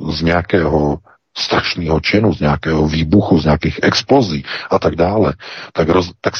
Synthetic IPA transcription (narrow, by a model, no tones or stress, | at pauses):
zɲɛakɛːɦo | st̪ɾaʃniːɦot͡ʃɪnuzɲɛakɛːɦoviːbuxuzɲɛakiːxʔɛksploziːʔat̪aɡdaːlɛt̪aɡɾozt̪aks